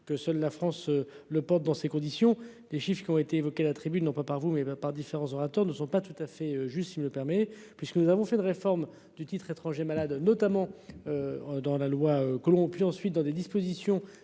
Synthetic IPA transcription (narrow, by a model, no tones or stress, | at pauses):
kəsœlːafχɑ̃sø | ləpɔʁt̪̚d̪ɑ̃sekɔ̃d̪isjɔ̃ | leʃifχkʲiɔ̃et̪eːvɔkealat̪χibynɔ̃papaʁvumɛpaʁd̪ifeʁɑ̃zɔʁat̪œʁnəsɔ̃pat̪ut̪afɛøʒyst̪simələpɛʁmɛ | pɥiskənuzavɔ̃fɛynʁefɔʁm | d̪yt̪it̪χet̪χɑ̃ʒemalad̪nɔt̪amɑ̃ød̪ɑ̃lalwaøkɔlɔ̃pɥiɑ̃sɥit̪̚d̪ɑ̃d̪ed̪ispozisjɔ̃